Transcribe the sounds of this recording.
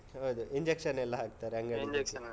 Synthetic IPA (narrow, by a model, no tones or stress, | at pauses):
ɦawd̪uiɲd͡ʒekʂɐnɛlːɐɦaːk̚t̪aːɾeɐŋɡɐiek